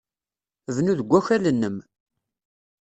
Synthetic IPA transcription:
vnuðəɡʷːæçælənːəm

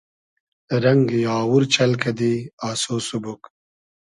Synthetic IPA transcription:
ɾɐŋɡjaːwuɾt͡ʃɐlkɐd̪iaːsoːsubuk

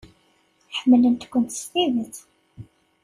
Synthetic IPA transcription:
ħəmːlənt̪kʷːənt̪ə̥st̪iðəθ

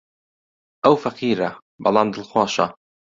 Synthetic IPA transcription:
ʔawfaqiːɾa | bɑlɑnd̪əlxwɑːʃɑ̰

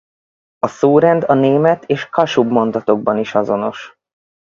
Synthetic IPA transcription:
ɒsoːɾɛnd̪ɒneːmɛt̪eːʃkɒʃubmo̞nd̪ɒt̪o̞ɡ̚bɒniʃɒzo̞no̞ʃ

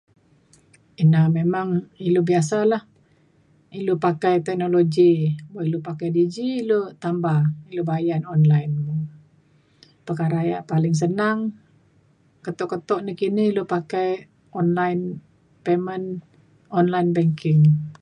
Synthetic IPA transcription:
inamemaŋilobiasalah | ilopakajt̪ɛk̚noloɡibaʔilupakajdid͡ʒiːlot̪ambailobajanɔnlajnmu | pərkaɾajaʔpalɪŋs̬ənaŋ | kət̪ɔʔkət̪ɔʔnikiniilopakaj | ʔɔnlajn | pemən | ɔnlajnbɛŋkɪŋ

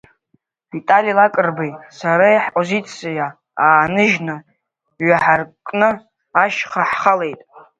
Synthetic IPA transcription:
vitʼalilakʼɨrbajsaɾajħpʼozit͡sʰʼija | aːnɨʒnɨ | ɥaħarkʼnɨ | aʃχaħχale̞jtʼ

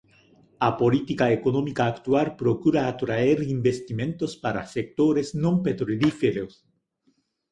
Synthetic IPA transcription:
apolit̪ikaekonomikaːkt̪waɾpɾokuɾaːt̪ɾaeɾimbest̪imẽnt̪ospaɾa̰sek̚t̪oɾesnõmpet̪ɾoɾifeɾos

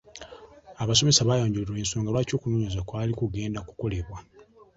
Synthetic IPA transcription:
aβas̬o̞me̞saβajoːɲɟuliɾwe̞ːnso̞ːŋɡalwaːco̞ːkunoɲozakwaːlikuɡe̞ːndaku̥ko̞le̞βwa

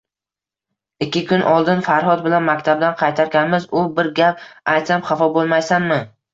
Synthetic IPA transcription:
ɪkʲːɪkʰʊnʔɒlˠd̪ɪnfaɾɦɒd̪̚bɪlanmakʲt̪ʰab̚d̪anqʰɑjt̪ʰaɾɡʲanmɪzʊbɪɾɡʲapajt̪samχɑfɒbolˠmajsanmɪ

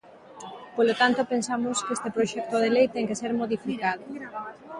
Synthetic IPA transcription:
polot̪ant̪opensamʊskest̪epɾoʃɛk̚t̪oðelejt̪ɛŋkeseɾmoðifikaðo

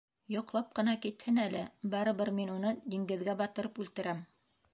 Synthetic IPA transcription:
jŏqlˠɑp̚qɤ̆nɑkit̪hɘnælɘbɑɾɤ̆βɤɾminunɤd̪iŋɡɘ̆ðɡæbɑt̪ɤ̆ɾɤpʉlt̪ɘ̆ɾæm

